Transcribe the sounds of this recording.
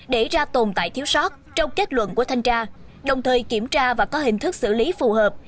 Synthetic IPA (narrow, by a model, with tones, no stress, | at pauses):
ɗe˧˩zaː˧t̪o˨˩nt̪a̰ː˧˨jt̪ʰi˨˦əwsɔ˦˥t̚t͡ɕɔ˧wŋ͡mke˦˥t̚lwə̰˧˨nku˧˩ət̪ʰa˧jŋt͡ɕaː˧ | ɗə˨˩wŋ͡mt̪ʰəː˨˩jki˧˩əmt͡ɕaː˧vaː˨˩kɔ˨˦ɦï˨˩ŋ̟t̪ʰɨ˦˥k̚sɨ̰˧˩li˨˦fu˨˩ɦəː˨˩p̚